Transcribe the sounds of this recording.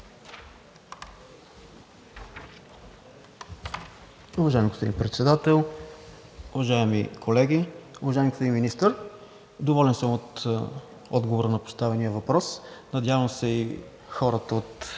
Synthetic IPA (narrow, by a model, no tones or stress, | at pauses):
ʊvɐʒaɛmiɡospod̪ḭnpɾɛt̪sɛd̪at̪ɛlˠ | ʊvɐʒaɛmikʰolɛɡʲiʊvɐʒaɪmiɡospodinminist̪əɾ | d̪ovɔlɛnsəmot̪ | ɔd̪ɡovoɾənɐpo̥st̪avɛnijəvɐpɾɔsnɐd̪ʲjavəmsɛi | xɔɾət̪əot̪